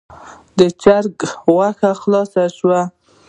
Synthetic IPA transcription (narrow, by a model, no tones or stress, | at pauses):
d̪ət͡ʃaɾɡwaxaxlɑsaʃwa